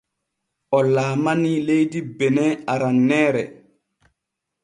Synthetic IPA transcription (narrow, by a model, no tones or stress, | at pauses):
ʔɔlaːmanilejdibɛnɛaɾanːɛːɾɛ̰